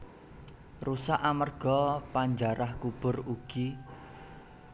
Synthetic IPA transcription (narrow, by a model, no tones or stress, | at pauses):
rusaʔamərɡ̥ɔpaɲd͡ʒaɾahkub̥ʊ̤ruɡ̥i